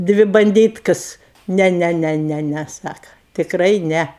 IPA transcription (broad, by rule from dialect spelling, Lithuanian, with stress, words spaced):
ˈdʲʋʲɪ bɐnʲˈdʲiːtkɐs ˈnʲɛ ˈnʲɛ ˈnʲɛ ˈnʲɛ nʲɛ ˈsɑːkɐ tʲɪkˈrɐɪ ˈnʲɛ